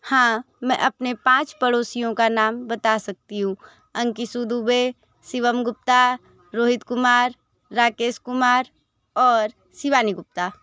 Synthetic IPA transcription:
hãː | mɛ̃ʔɐpnepãːt͡ʃpəɽoːsijõkanaːmbət̪asɐk̚t̪iɦũ | ɐ̃ŋkisud̪ube | sɪʋəmɡʊp̚t̪a | ɾoːɦɪt̪kʊmaːɾː | aːkeːskʊmaːɾ | ɔːɾ | siʋaːniɡʊp̚t̪aː

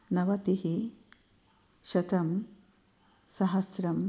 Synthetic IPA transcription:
nɐʋɐt̪ihi | ʃɐt̪ɐm | sɐɦɐsɾɐm

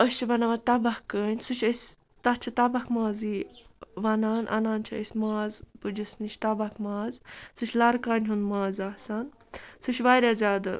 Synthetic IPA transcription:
əst͡ʃʰibɐnɐʋat̪ɐbɐkːəːnʲsut͡ʃʰʲəsʲ | t̪ɐt͡ʃʰit̪ɐbɐkmaːziʋɐnaːnʔɐ̰naːnt͡ʃʰɐesʲmaːzpud͡ʒɐsniʃʰʲt̪ɐbɐkmaːzsut͡ʃʰʲlɐɾkaːnʲɦund̪maːzasan | suʃʲʋaːɾʲazʲaːd̪a̰

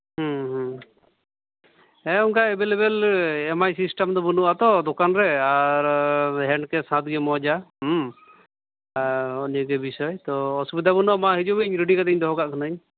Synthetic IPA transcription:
ɦɔ̃ɦ | ɛuŋkaɛbelebɛlɛmajsisʈamd̪ɔbunuʔat̪ɔd̪ɔkanɾɛaɾɦɛɳɖkɛsãt̪̚ɡɛmɔd͡ʒa | ɔniɡɛbisɔjt̪ɔːsubid̪abunɔmaɦid͡ʒɔbiɲɾiɖikad̪ɛɲd̪ɔɦɔkaʔkʰanəɲ

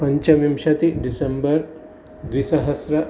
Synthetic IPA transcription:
pɐɲt͡ʃɐʋimʃɐt̪iɖisembɐɾ | d̪ʋisɐɦɐsɾɐ

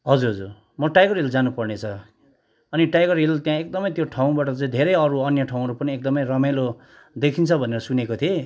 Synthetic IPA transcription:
ɦʌd͡zuɾɦʌd͡zur | mʌʈajɡʌrild͡zanupʌrnet͡sʰʌ | ʌniʈajɡʌrilt̪jãek̚d̪ʌmʌjt̪joʈʰaw̃baʈʌt͡saĩd̪ʱeɾʌjʌɾuʌnjʌʈʰaw̃ʌɾupʌniek̚d̪ʌmʌjrʌmajlo | d̪ekʰint͡sʰʌbʱʌneɾʌsunekot̪ʰie

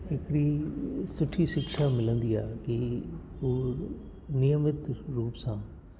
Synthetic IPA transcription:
ɪkɽiːsʊʈʰːiʃɪkʃamɪlə̃nd̪iːaːki | oː | nɪjəmɪt̪ɾuːpsãː

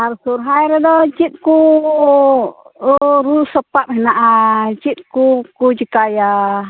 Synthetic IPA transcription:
aɾsuɾɦajɾɛdɔt͡ʃit̪̚ku | ɾusəpat̪̚hɛnaʔat͡ʃit̪̚kukud͡ʒikaja

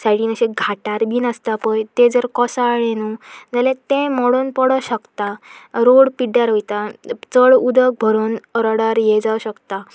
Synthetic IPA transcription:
saɽiːnəɕeɡʱaʈaɾbiːnəst̪apəjt̪ẽd͡zəɾkɔsaɭẽnud͡zalẽt̪ẽmɔɽuːnpəɽəɕəkt̪aɾoɽpiɖaɾɦojt̪at͡səɭud̪ək̚bʱəɾuːnɾəɽaɾjɛd͡zawɕəkt̪a

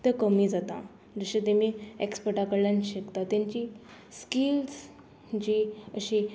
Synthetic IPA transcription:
t̪ekəmiːd͡zat̪a̰ | d͡zəɕet̪em̤iekspəʈakəɽlãnɕəkt̪at̪jãɲt͡ɕi | skils | d͡ʑiəɕi

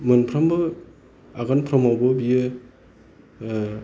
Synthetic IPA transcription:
mɯnpʰɾambɯ | aɡanpʰɾamawbɯbijɯ

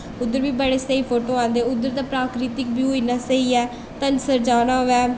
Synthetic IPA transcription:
ʊd̪ːəɾbiːbəɽeːsəiːpʰoːʈõːãːnd̪eːʊd̪əɾd̪aːpɾaːkɾɪt̪ɪkbiːɦoiːnaːsəiːɛː | t̪ənsəɾd͡ʒaːnaːɦoʋɛː

